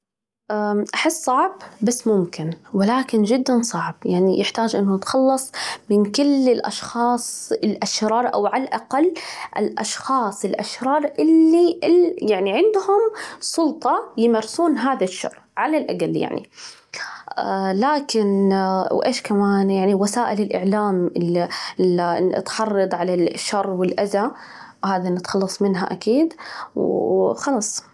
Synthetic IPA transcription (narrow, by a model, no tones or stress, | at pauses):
ʔaʔaħɪsːˤɑʕbbasːmʊmkɪnwɪlaːkɪnd͡ʒɪd̪ːansˤɑʕbjaʕnijʔɪħt̪aːd͡ʒʔɪnːʊt̪xɑlːɑsˤmɪnkɪlːɪlʔɑ̰ʃxɑːsˤɪlʔaʃɾɑːɾˤʔa̰wʕalaʔaqalːʔɪ̰lʔɑ̰ʃxɑːsˤɪlʔa̰ʃɾɑːɾˤʔɪlːiʔɪljaʕniʕɪnd̪hʊmsˤʊlt̪ˤɑjɪmɑɾsˤuːnɦaːðaʃːɑ̰rˤ | ʕalalʔaɡalːja̰ʕnḭ | laːkɪnwʔeːʃkamaːnjaʕniwasaːʔɪlɪlʔɪʕlaːmɪ | ɪ̰t̪ħɑrˤːɑd̪ˤʕalaʃːɑrˤːwɪlʔaza | haːðanɪt̪xɑlːɑsˤmɪnɦa̰ʔakiːd̪wxɑlɑːsˤ